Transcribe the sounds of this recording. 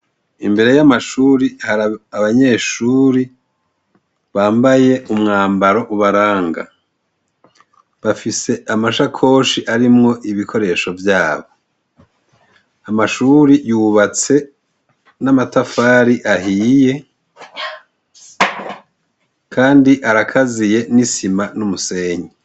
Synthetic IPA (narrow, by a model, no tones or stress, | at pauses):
imbe̞ɾe̞jamaʃuːɾihaɾaaβaɲe̞ːʃuːɾi | βaːmbaje̞umŋaːmbaɾo̞ʔuβaɾaːŋɡa̰ | βafise̞ʔamaʃakʰo̞ːʃiʔaɾimŋo̞ʔiβikʰo̞ɾe̞ʃo̞vjaːβo̞ | amaʃuːɾijuβat͡se̞ | namatafaːɾiʔahije̞ | kʰaːndiʔaɾakʰazije̞nisimanumuse̞ːɲe